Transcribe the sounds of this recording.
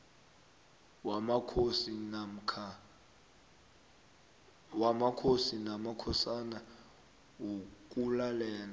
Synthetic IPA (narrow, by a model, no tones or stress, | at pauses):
kʰsi | wamakʰosinamakʰɔsana | wok̬ʼulalɛːna